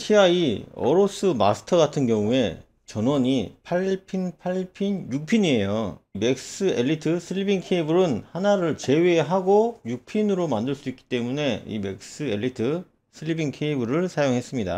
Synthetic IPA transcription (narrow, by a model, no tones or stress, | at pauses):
ɕʰiaiʌ̰ɾos͈ʰɯma̰sʰɯ̥tʰʌɡatʰɯnɡjʌŋue̞ | t͡ɕʌnwʌɲipʰaɭpʰinpʰaɭpʰinjuk̚pʰiɲie̞joime̞k̚s͈ɯe̞ʎːitʰɯsʰɯɭːibiŋkʰeibɯɾɯnhanaɾɯɭt͡ɕe̞weɦaɡojuk̚pʰinɯɾomandɯɭs͈uik͈i̥t͈e̞mune̞ḭme̞k̚s͈ɯe̞ʎːitʰɯ | sʰɯɭːibiŋkʰeibɯɾɯɭsʰajoŋɦe̞s͈ɯmɲida̰